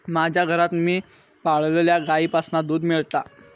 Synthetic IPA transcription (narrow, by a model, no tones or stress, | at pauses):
mad͡ʑʱjaɡʱəɾat̪miː | paɭleljaɡaiːpasnad̪uːd̪miɭt̪a